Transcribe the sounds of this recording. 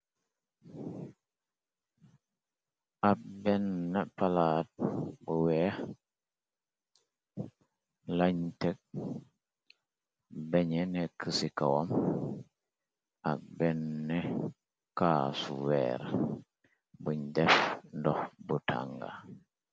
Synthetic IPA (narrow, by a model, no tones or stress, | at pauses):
ak̚bɛnːapalaːt̚buwɛh | laɲtɛk̚ | beɲɛnɛkəsikawam | ak̚bɛnːɛ | kaːsṵwɛ̰ɾ | buɲdɛfndɔhbutʰa̰ŋɡa̰